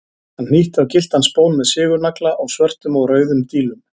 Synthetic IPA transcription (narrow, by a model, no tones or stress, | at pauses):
hann̥iːht̪awcɪl̥t̪hanspoːwnmɛðsɪːɣʏɾnaklaʔawsvœr̥t̪ʏmɔɣrœːɥðʏmt̪iːlʏm